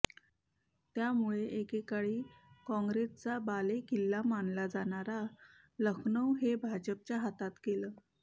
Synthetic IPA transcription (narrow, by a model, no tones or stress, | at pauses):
t̪jamuɭeʔekekaɭiːkɔ̃ŋɡɾest͡sabalekilːamanlad͡zaɳaɾa | ləkʰɳəwɦebʱad͡ʑəp̚t͡ɕjaɦat̪at̪keləː